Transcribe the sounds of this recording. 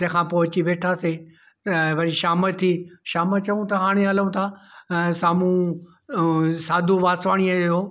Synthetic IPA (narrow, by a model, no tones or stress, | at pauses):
t̪ɐ̃ɦkʰãːpot͡ɕiʋeːʈʰase | ɐʋɐɾiʃaːməlt̪ʰiːʃaːmət͡ɕɐʋũt̪ɐɦaːɽ̃eɦɐləũt̪ʰaːsaːmũ | saːd̪ʱuʋaːsʋaːɽ̃iəoː